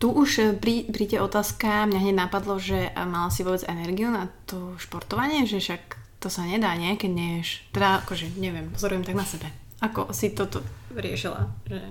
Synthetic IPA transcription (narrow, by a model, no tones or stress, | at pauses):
t̪uʔuʃpɾiːpɾiːɟɛʔɔt̪aːskamɲaɦɲɛɟnapad̪lɔʒɛmalasiʋʊɔbɛd͡zɛnɛɾɡiunat̪ɔʃpɔɾt̪ɔʋaɲɪɛʒɛʃakt̪ɔsaɲɛd̪aːɲɪɛkɛɟɲɛʃt̪ɛd̪aakɔʒɛɲɛʋɪɛmpɔzɔɾujɛmt̪aɡnasɛbɛ | akɔsit̪ɔt̪ɔɾɪɛ̰ʃila̰ʒɛ